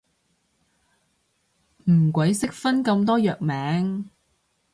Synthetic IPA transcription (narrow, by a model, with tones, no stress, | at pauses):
m̩˨˩kʷwɐ˨˥jsɪ˥k̚fɐ˥nkɐ˧mt̪ɔː˥jœː˨k̚mɛː˨˥ŋ